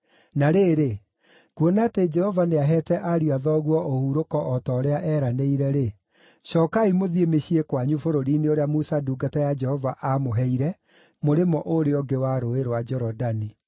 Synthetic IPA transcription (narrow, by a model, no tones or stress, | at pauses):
naɾeːɾe | kwɔnaːted͡ʒɛhɔvaneaɦɛːtɛʔaɾiaðɔɣwɔʔohuɾokɔʔɔtɔːɾeaʔɛɾaneiɾɛɾe | ʃɔːkaimoðiemeɕiekwaɲufoɾoɾiːneoɾeamusaduːɡatajad͡ʒɛhɔvaʔamoɦɛiɾɛ | moɾemɔʔoɾeɔɡewaɾoeɾowad͡ʒɔɾɔdani